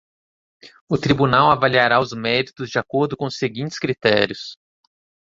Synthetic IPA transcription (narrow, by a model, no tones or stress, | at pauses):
ʊt̪ɾibunawavaliaɾaʊzmɛɾit̪ʊzd͡ʒɪakoɾd̪ʊkõʊseɡĩnt͡ʃɪ̥skɾit̪ɛ̰ɾiʊs